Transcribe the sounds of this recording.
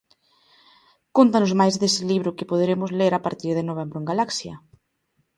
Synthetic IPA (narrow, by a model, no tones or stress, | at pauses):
kont̪anʊzmajzðesɪliβ̞ɾʊkɪpoð̞eɾemʊzleɾapaɾt̪iɾð̞enoβ̞ɛmbɾoeŋɡalaksjɐ